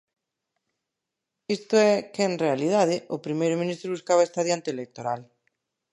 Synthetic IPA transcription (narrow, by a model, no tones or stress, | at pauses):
ist̪ʊɛkeenrealið̞aðɪʔʊpɾimejɾomĩnist̪ɾoβuskaβ̞aest̪aðjant̪eːlek̚t̪oɾal